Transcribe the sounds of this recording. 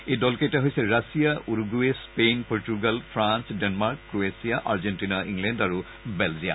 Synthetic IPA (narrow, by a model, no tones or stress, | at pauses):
ejdɔlkejtaɦojsɛɹasijaʔuɹɡuespenpɔɹtuɡalpʰɹansdɛnmaɹkːɹoesijaʔaɹzentinaʔĩŋɡlɛndaɹu | bɛlzija̰